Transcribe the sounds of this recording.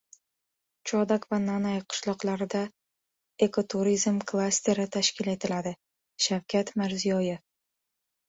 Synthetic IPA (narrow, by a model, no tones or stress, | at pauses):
t͡ʃʰɒd̪akvananajqʰʊ̥ʃlˠɒqlˠaɾɪd̪a | e̞kʰot̪ʰuɾizmkʰlˠasʲt̪e̞ɾɪt̪ʰaʃkʲɪle̞t̪ʰɪlad̪ɪ | ʃawkʲʰat̪mɪɾzijɒjɪf